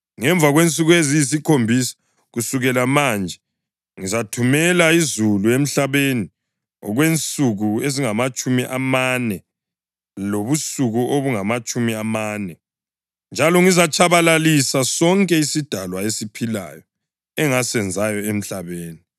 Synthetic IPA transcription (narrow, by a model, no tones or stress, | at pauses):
ŋɛɱb̪vʱaɣwent͡sʼuɣuezijis̬ikʰombʱisḁ | ɣusuɣɛlamand͡ʒʱɛ | ŋizatʰumɛlaizuluem̩ɬaβeni | ɔ̰ɣwent͡sʼuɣueziŋamat͡ʃʼumiʔamanɛ | loβusuɣuʔoβuŋamat͡ʃʼumiamaːnɛ | nd͡ʒʱalɔŋizat͡ʃʰʼaβalalisasɔŋkʼɛisid̥ʱalwaesipʰila̰jɔ | ɛŋasɛnd͡zʱajɔem̩ɬaβeːni